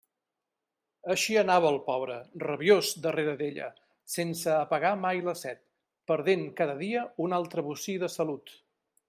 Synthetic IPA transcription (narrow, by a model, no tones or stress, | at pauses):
əʃiənaβəːlˠpɔβ̞ɾərəβiozd̪əreɾəðeʎə̰ | sensəːpəɣamajləsɛt̪̚ | pəɾð̞eŋkaðəðiəunalˠt̪ɾəβusiðəsəlut̪